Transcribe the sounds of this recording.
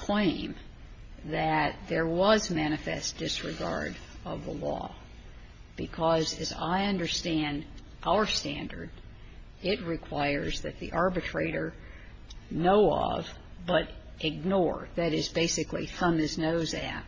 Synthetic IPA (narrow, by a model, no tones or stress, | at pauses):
kʰl̥ẽɪ̃m | ðɨt̪̚ðə˞wʌzmæñɨfɛ̰sd̥ɪsɹɨɡɑ̰ɹɾʌvðə̰lɔ̰ | b̥ɨkʰʌzɨza̰ɪʌ̃ndə˞stæ̃nd | ʔaʊə˞stæ̃ndə̰˞d | ɪt̚ɹɨkʰw̥aɪə˞zðɨt̪̚ðḭʔɑɹbɨtʰɹ̥eɪɾə˞ | noʊʌ̰vbʌɾ | ʔɨɡ̚nɔɹðɨɾɪzbeɪsɨklḭθʌ̃mɨznoʊzɨ̰t̚